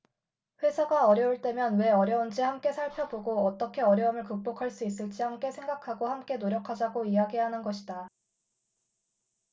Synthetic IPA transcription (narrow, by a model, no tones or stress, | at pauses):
ɸwe̞sʰaɡaʌɾjʌuɭt͈e̞mjʌnwe̞ʌɾjʌund͡ʑihamk͈e̞sʰaɭpʰjʌboɡoʌt͈ʌkʰe̞ʌɾjʌumɯɭkuk̚p͈okʰaɭs͈uis̬͈ɯɭt͡ɕ͈ihamk͈e̞sʰe̞ŋɡakʰaɡohamk͈e̞noɾjʌkʰad͡ʑaɡoiɦaɡiɦanɯnɡʌɕʰida